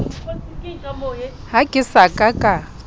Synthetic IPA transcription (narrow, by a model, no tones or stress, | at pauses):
hakʼɪsakʼakʼa